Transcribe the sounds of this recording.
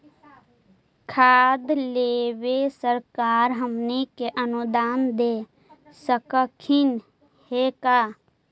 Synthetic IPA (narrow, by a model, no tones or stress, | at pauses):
kʰaːd̪leːwesəɾkaːɾɦəmnekeʔənud̪aːnd̪e | səkəkʰɪn | hekaː